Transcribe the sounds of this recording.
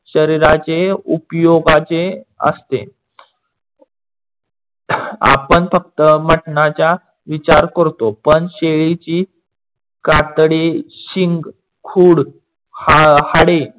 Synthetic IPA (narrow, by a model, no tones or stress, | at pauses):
ɕəɾiɾat͡ɕeupjoɡat͡ɕeə̰st̪ḛ | a̰pəɳfək̚t̪əməʈɳat͡ɕja | ʋit͡ɕaɾkəɾt̪opəɳɕeɭit͡ɕiː | kat̪ɽeɕiŋɡ | kʰuːɽ | haɽe